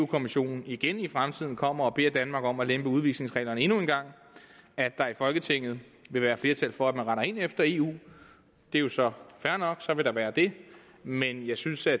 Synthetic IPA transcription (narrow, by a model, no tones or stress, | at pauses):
ṵːkʰo̝miɕo̝̰ːnn̩iɡ̥enifʁamt͡sʰið̰ˠn̩kʰɒ̽m̰ɐɒ̽b̥e̝̰ːɐd̥ænmɑ̈ːɡ̥ɒ̽mɒlemb̥əuð̞ˠʋiɡ̥sle̝ŋsʁɛ̰lɐnəe̝nue̝nɡ̥ɑ̈ŋ̰ | æd̥ɑ̈ifɒ̽lɡ̥ət͡sʰeŋ̰ð̞̩ˠ | ʋe̝ʋæːɐfle̝ɐt͡sʰælfɒ̽æd̥mænʁɑ̈ɾɐe̝n̰efd̥ɐe̝ːṵː | d̥e̝jo̝sɒ̽fæɐnɒ̽ɡ̥sɒ̽ʋe̝ɾ̥ɑ̈ʋæːɐd̥e̝ | menjɑ̈ɪsynsæ